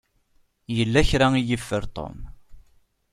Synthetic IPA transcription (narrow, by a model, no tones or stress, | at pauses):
jəlːæçɾaijəfːəɾt̪ˤo̰m